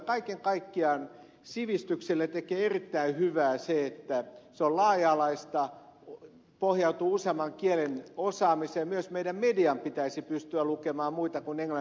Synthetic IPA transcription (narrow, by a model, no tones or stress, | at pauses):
kɑikeŋkɑikːiɑn | siʋist̪ykselːet̪ekeːerit̪ːæihyʋæːseet̪ːæseollɑːjɑːlɑist̪ɑ | pohjɑut̪uːusemɑŋkielenosɑːmiseːmyøsmeidæmmediɑmpit̪æisipyst̪yælukemɑːmmuit̪ɑkuneŋlɑ